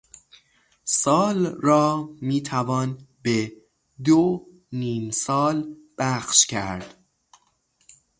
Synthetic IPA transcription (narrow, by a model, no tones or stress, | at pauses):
sɒːlrɒːmiːt̪ʰævɒːnbe | d̪o | niːmsɒːl | b̥æxʃcʰæɾd̪̥